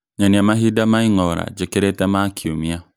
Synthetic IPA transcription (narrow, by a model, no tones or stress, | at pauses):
ɲaniamaɦidamaiŋɔɾa̰d͡ʒɛkeɾetamakʰiomĩa